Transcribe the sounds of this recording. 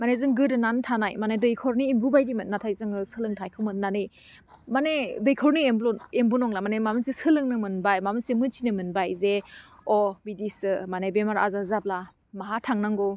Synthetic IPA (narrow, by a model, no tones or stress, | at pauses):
manezɯŋɡɯdɯnantʰanajmanedɯjkʰɔɾniːmbubajdimɯtnatʰajzɯŋɯsɯlɯŋtʰajkʰɯmɯnnanɯj | manedɯjkʰɔɾniemlɔembunɔŋlamanemamɯnsisɯlɯŋnɯmɯnbajmamɯnsemɯt͡ʃinɯmɯnbajzeɔbidisɯmanebemaɾa̰zazap̚la | maɦatʰaŋnaŋɡo